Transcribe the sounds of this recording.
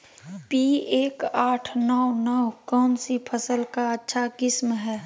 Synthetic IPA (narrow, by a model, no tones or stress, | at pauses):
pieːkaːʈʰnɔwnɔkɔːmsipʰəsəlkaətːʃʰakɪsmɦɛː